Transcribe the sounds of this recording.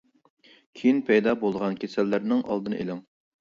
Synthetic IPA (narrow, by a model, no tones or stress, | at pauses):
kʲʰejinpʰɛjd̪ɑːbolˠʁɑnkʲʰesælːæɾnɪŋʔɑ̰lˠd̪ɨnɨʔelɪŋ